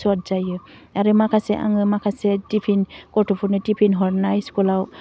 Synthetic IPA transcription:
sɔt̚zajɯaɾɯmakʰasɛʔa̰ŋɯmakʰasɛtipʰinkɔɹtʰupʰɔnɯtipʰinɦɔɹnajskɔlaw

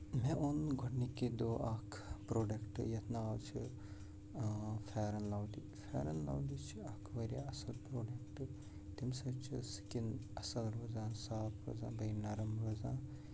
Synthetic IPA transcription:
mẽʔunɡʱoʈniked̪oʔakʰpɾoːɖekʈɨjɐt̪ʰnaalt͡ʃʰḭ | fʰeːɾɐnlawd̪i | fʰḛːɾɐnla̰wdit͡ʃʰiɐkʰʋɐɾa̰ɐsɐlpɾoːɖekʈ | t̪imsɐbt͡ʃʰisi̥kinɐsɐlɾozãːsaːt̪ʰɾo̰ːzã̰ːbɐjnaɾɐmɾozãː

